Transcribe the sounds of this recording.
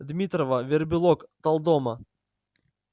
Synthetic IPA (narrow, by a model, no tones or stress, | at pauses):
d̪mʲit̪ɾɔvɐvʲɪrbʲɪlˠɔkt̪ɐlˠd̪ɔmɐ